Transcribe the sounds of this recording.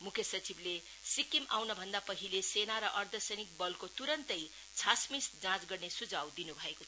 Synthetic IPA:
mukʰjʌsʌt͡sible | sikimawnʌbʱʌnd̪apʌɦilesenaɾʌʔʌrd̪ʱʌsʌjnik̚bʌlkot̪uɾʌnt̪ʌj | t͡sʰasmisd͡zãt͡sɡʌrnesud͡zawd̪inubʱʌekot͡sʰʌ

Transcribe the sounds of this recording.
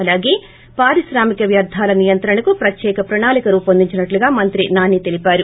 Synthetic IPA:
ɐlaːɡe̞ː | paːɾiʃɾaːmikɐʋjɐɾd̪ʱaːlɐnijɐnt̪ɾɐɳɐkupɾɐt̪jɛːkɐpɾɐɳaːlikɐɾuːpɐnd̪iɲt͡ʃːinɐʈluɡaːmɐnt̪ɾinaːnit̪elipaːɾu

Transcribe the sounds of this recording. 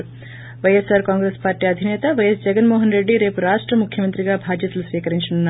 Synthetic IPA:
ʋɐjesaːɾkaːŋɡɾespaːɾʈiːɐd̪ʱinɛːt̪ɐʋɐjesd͡ʒɛɡɐnmoːɦɐnɾeɖːiɾe̞ːpuɾaːʂʈɾɐmukʰjɐmɐnt̪ɾiɡaːbʱaːd͡ʒ̪jɐt̪ɐlusʋiːkɐɾiɲt͡ʃinunːaː

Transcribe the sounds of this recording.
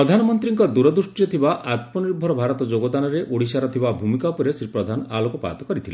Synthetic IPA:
ɾɔd̪ʱanɔmɔnt̪ɾiŋkɔd̪uɾɔd̪usʈijɔt̪ʰibaʔat̪̚mɔniɾbʱɔɾɔbʱaɾɔt̪ɔd͡ʒoɡɔd̪anɔɾeʔʔoɽisaɾɔt̪ʰibabʱumikapɔɾesɾipɾɔd̪ʱanɔa̰lokɔpa̰ːt̪ɔkɔɾit̪ʰilḛ

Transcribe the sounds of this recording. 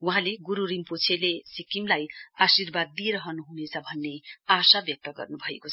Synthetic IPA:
wuɦãleɡuɾuɾimpot͡sʰelesikimlajasirbad̪̚ːieɾʌɦʌnuɦunet͡sʰʌbʱʌnːeasabjʌk̚t̪ʌɡʌ̰rnubʱʌekot͡sʰʌ

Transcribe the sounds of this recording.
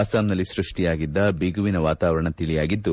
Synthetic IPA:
aːsaːmnɐlːisɾuʂʈijaːɡid̪ːɐbiɡuʋinɐʋaːt̪aːʋɐɾɐɳɐt̪iɭijaːɡid̪ːu

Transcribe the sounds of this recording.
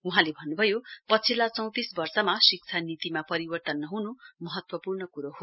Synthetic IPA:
uɦãlebʱʌnːubʱʌjopʌt͡sʰilat͡sʌ̃w̃t̪isbʌrsʌmasik̚t͡sʰanit̪imapʌɾibʌrt̪ʌnːʌɦunumʌɦʌt̪wʌpurnʌkuɾoɦo

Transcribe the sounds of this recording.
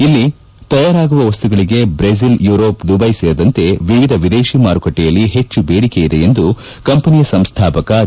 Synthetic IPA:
ilːi | t̪ɐjaːɾaːɡuʋɐʋɐst̪uɡɐɭiɡe̞bɾeziljuːɾoːpd̪ubɐjseːɾud̪ɐnt̪e̞ʋiʋid̪ʱɐʋid̪eːʃimaːɾukɐʈːɛjɐlːiɦe̞t͡ʃːubeːɽikejid̪e̞end̪u | kɐmpɐnijɐsɐmst̪ʰaːpɐkɐ

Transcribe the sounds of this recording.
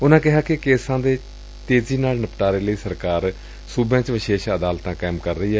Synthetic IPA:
ʊnãːkɪɦaːkɪkeːsãːd̪eː | t̪eːziːnaːlnəpʈaːɾeːləiːsəɾkaːɾ | suːbjãːt͡ʃʋɪʃeːʃəd̪aːlt̪ãːkaːɪmkəɾːəiːɛː

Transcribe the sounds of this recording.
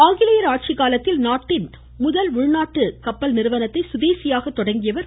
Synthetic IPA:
aːŋɡɪlɐjɐɾaːʈ̚t͡ʃɪkaːlɐt̪ːɪlnaːʈːɪn | mʊðɐlʊɻnaːʈːɯkɐpːɐlnɪɾɯʋɐnɐt̪ːɐɪsʊðeːsɪjaːɣɐt̪ːɔɽɐŋɡɪjɐʋɐɾ

